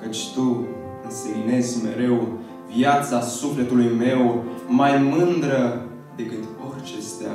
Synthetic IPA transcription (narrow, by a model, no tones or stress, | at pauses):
kət͡ʃʲt̪u | ɨnsemine̞skme̞ɾe̞w | vjat̪sasufle̞t̪ulujme̞wmajmɨnd̪ɾə | d̪e̞kɨt̪orʲt͡ʃe̞st̪ea̰